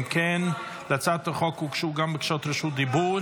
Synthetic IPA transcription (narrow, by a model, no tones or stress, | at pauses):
kʰɛn | lat͡saːtəχɔkuːkʃuːɡambəkʃɔtɾəʃuːt̚dɪbuːɾ